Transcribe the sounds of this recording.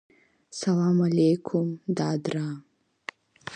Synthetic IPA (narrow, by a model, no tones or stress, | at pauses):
salaːmalejkʰʊmd̪aːd̪ɾa